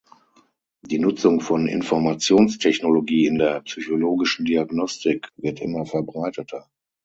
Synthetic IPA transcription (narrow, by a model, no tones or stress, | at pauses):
d̥iːnʊt͡sʊŋfɔnɪ̰nfɔɐmat͡sjoːnstʰɛçnoloɡiːɪndeːɐpsyçoloːɡɪʃn̩diaɡnɔstɪkvɪɐtʔɪ̰mɐfɛɐbʁaɪtətʰɐ